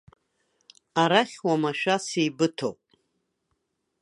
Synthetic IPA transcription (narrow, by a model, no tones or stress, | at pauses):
aɾaχʲwamaʃᶣasijbɨtʰo̰wpʼ